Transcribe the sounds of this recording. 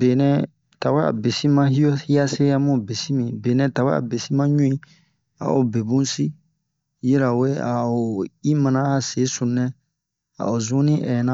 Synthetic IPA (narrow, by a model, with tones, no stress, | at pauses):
be˨nɛ̃˦˨ | ta˨wa˦a̰˨be˨si˦mã˦hi˦o˦i˦a˦se˦ja˦mõ˦˨be˨si˦mĩ˨be˨nɛ̃˨ta˨wa̰˦a̰˨be˨si˦mã˦ɲũ˦ĩ˦ | a̰˨o̰˨be˨bũ˦n˦si˦ | ji˦ɾa˨we˦a˨o˨i˦mã˨nã˦a˨se˨˦sũ˨nɛ̃˦ | a̰˨o˨zũ˦nĩ˦ʔɛ˨nã˦